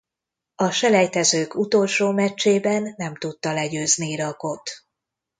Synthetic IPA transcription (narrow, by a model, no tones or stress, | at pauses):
ɒʃɛlɛjt̪ɛzøːkut̪o̞lʃoːmɛt͡ʃːeːbɛnːɛmt̪ut̪ːɒlɛɟøːzniiɾɒko̞t̪